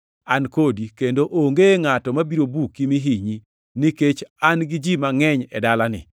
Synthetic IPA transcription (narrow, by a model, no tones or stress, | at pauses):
ankodikendoʔoŋɡeŋatɔmabiɾobukimiɦiɲi | nɪket͡ʃanɡɪd͡ʒimaŋɛɲɛ̰dalanɪ̰